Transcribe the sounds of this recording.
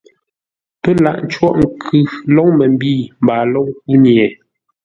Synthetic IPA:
pə˦la˨ʔn̩˨˦t͡ʃwɔ˦ʔŋ̩˨kʰʉ˨lɔ˦ŋmɛ˨m̩˦biː˦˨m̩˨baː˨lɔ˦ŋku˦njɛ˨

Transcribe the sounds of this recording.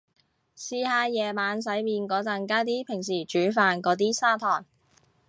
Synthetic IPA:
siː˧haː˧jɛː˨˩maː˨˧ns̬ɐ˨˥jmiː˧nkɔː˨˥t͡sɐ˧nkaː˥t̪iː˥pʰɪ˨˩ŋs̬iː˨˩t͡ʃyː˨˥faː˧nkɔː˨˥t̪̬iː˥saː˥t̪ʰɔː˨˩ŋ

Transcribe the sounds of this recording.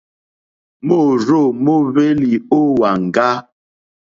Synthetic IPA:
mo˦˨ɾo˦˨mo˦βe˦li˨o˦wa˨ŋ̩˨ɡa˦

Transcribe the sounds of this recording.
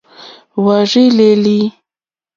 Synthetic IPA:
wa˨ʐi˦le˨li˦

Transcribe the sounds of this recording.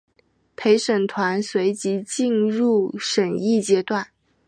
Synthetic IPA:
pʰe˧˥ɪʂə˨˩nt̪ʰwa˧˥nswe˧˥ɪt͡ɕi˧˥t͡ɕi˥˧nɻu˥˩ʂə˨˩ni˥˩t͡ɕjɛ˥t̪wa˥˩n

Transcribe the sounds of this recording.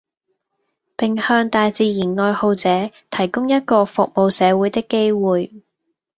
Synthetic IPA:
pɪ˨ŋhœː˧ŋt̪aː˨jt͡siː˨˧jiː˨˩nŋɔː˧jho˨˧wt͡sɛː˨˥t̪ʰɐ˨˩jkʊ˥ŋjɐ˥t̚kɔː˧fʊ̰˨k̚mo˨wsɛː˨˧wuː˨˥jt̪ɪ˥kːe˥jwuː˨j

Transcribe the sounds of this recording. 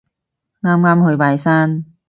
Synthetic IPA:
ŋaː˥mŋaː˥mhɵ˧ɥpaː˨˧jsaː˥n

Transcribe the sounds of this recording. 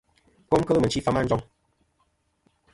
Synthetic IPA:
ko˦m˦kə˦lə˦mə˨n˨t͡ʃi˦fa˦ma˦n̩˦d͡ʒɔ˦ŋ

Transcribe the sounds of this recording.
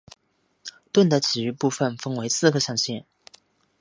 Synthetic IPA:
t̪wə˥˩nd̪ə˩t͡ɕʰi˨˩y˧˥pu˥˧˩fə˨nfɤ˥ŋwe˧˥ɪsɹ̩˥˧ɡə˧ɕɑ˥˧ŋɕjɛ˥˩n

